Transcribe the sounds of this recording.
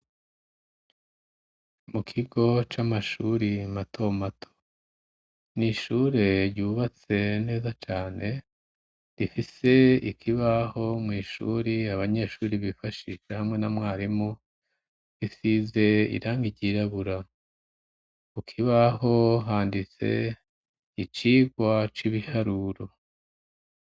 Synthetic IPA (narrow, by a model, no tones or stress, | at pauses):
mukʰiɡo̞t͡ʃamaʃuɾimatʰo̞matʰo̥ | niʃuɾe̞ɾɟuːβat͡se̞ne̞ːzat͡ʃaːne̞ | ɾifise̞ḭkʰiβaho̞mŋiːʃṵːɾiaβaɲe̞ʃuːɾiβifaʃiʃehamŋe̞namŋaːɾimo | isize̞ḭɾaːŋɡiɟiɾaβuɾa | kukʰiβaɦo̞ɦaːndit͡se̞̰ | it͡ʃiːɡwat͡ʃiβihaɾuɾo